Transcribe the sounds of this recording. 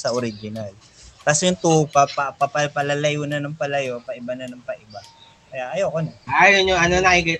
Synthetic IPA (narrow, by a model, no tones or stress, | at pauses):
sɐʔoɾɪd͡ʒɪnal | t̪ɐsjʊŋt̪uːpɐpɐpɐpɐpɐlɐlɐjuːnɐnɐŋpɐlɐjopɐʔɪbanɐnɐŋpɐʔɪba | kɐjaʔɐjokonɐʔaːjoɲʊŋɐnonaɪɡɛ